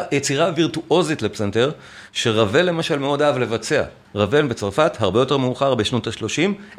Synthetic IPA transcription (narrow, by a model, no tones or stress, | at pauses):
jet͡siʁaviʁtuʔo̞zitlepsenteʁ | ʃe̞ʁave̞lːe̞maʃalmeo̞daavle̞vat͡se̞a̰ | ʁave̞lbet͡saʁfathaʁbe̞jo̞te̞ʁmeuχaʁbeʃno̞taʃlo̞ʃim